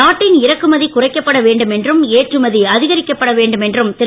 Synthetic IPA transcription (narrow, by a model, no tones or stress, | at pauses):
aːʈːɪnɪɾɐkːɯmɐðikʊrɐɪkːɐpːɐɽɐʋeːɳɖɯmɛndrɯmeːʈrɯmɐðiɐðɪɣɐɾɪkːɐpːɐɽɐʋeːɳɖɯmɛndrɯmt̪ɪ